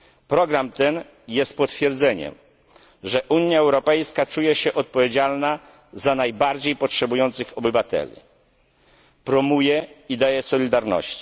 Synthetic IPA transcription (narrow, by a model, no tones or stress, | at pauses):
pɾɔɡɾamt̪ɛn | jɛst̪̚pɔt̪fʲjɛɾd̪zɛɲɛ̰m | ʐɛʔuɲjaɛwɾɔpɛjskat͡ʂujɛɕɛʔɔt̪̚pɔvʲjed͡ʑalna | zanajbaɾd͡ʑejpɔtʂɛbujɔnt̪sɘxɔbɘvat̪ɛ̰lʲḭ | pɾɔmujɛid̪ajɛsɔlʲid̪aɾnɔ̰ɕt͡ɕi̥